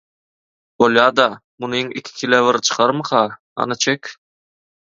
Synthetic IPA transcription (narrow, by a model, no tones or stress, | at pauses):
boljɑːd̪ɑ | munuiŋɪ̰kʲʰi̥kʲʰilevɪɾt͡ʃʰɯ̥qʰɑɾmɯqʰɑ | ɑ̰nɯt͡ʃʰekʲ